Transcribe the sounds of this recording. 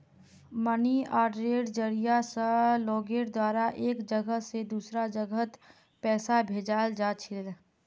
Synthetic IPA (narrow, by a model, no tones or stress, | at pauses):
məniaːɖɾeːɖd͡ʒəɾijasəlɔːɡeːɽd̪waːɾaʔeːkd͡ʒəɡəsed̪uːsɾad͡ʒəɡət̪ | pɛːsabʱeːd͡ʒaːld͡ʒaːt͡ʃʰɪl